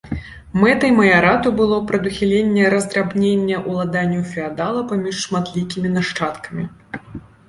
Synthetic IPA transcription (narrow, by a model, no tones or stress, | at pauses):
mɛt̪ɐjmɐjaɾat̪ubɨlˠɔpɾɐd̪uxʲilʲenʲːɛɾɐzd̪ɾabnʲenʲːɛʔulˠad̪anʲːuwfʲɛad̪alˠɐpamʲiʂːmat̪lʲikʲimʲinaʂt͡ʂat̪kɐmʲi